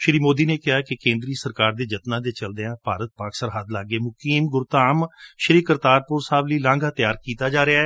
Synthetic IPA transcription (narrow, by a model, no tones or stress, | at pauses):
ʃəɾiːmoːd̪iːneːkɪɦaːkɪkẽːnd̪ɾiːsəɾkaːɾd̪eːd͡ʒət̪nãːd̪eːt͡ʃəld̪eãːpaːɾət̪̚paːksəɾɦaːd̪laːɡeːmʊkiːmɡʊɾt̪aːmʃəɾiːkəɾt̪aːɾpʊɾsaːbliːlãːŋɡaːt̪ɪjaːɾkiːt̪aːd͡ʒaːɾɪaːɛː